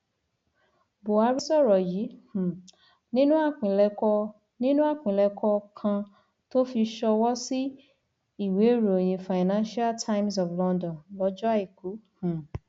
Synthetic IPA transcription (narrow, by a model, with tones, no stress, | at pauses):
bo˨a˧ɾi˦sɔ˦˨ɾɔ˨ji˨˦hũ˨ | nĩ˦nũ˦a˦˨k͡pĩ˨lɛ˧kɔ˧ | nĩ˦nũ˦a˦˨k͡pĩ˨lɛ˧kʰɔ˧kʰã˧ | to˦fi˧ʃɔ˧wɔ˦si˦ | i˦˨we˨˦ɾu˨o˨j̃ĩ˧fa˨i˨nã˦ʃi˦a˦ltʰa˧jms̬ɔ˨flɔ̃˧ndɔ̃˨nlɔ˧˦d͡ʒɔ˦a˦˨i˨ku˨˦hũ˨